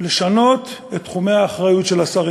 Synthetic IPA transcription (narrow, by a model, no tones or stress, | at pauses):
le̞ʃano̞t̪et̪ːχume̞aːχʁajutʃe̞lasaʁi